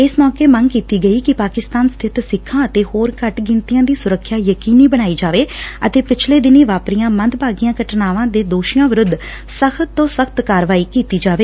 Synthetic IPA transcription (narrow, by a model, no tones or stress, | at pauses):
ɪsmɔːkeːməŋɡkiːt̪iːɡəiːkɪpaːkɪst̪aːnst̪ʰɪt̪sɪkʰːãːət̪eːhoːɾkəʈɡɪ̃nt̪ijãːd̪iːsʊɾəkʰːjaːjəkiːniːbəɽ̃aːiːd͡ʒaːʋeːə̰t̪eːpɪt͡ʃʰleːd̪ɪniːʋaːpɾijãːmənd̪baːɡijãːkəʈnaːʋãːd̪eːd̪oːʃijãːʋɪɾʊd̪ː | səkʰt̪ːõːsəkʰt̪kaːɾʋaːiːkiːt̪iːd͡ʒaːʋeː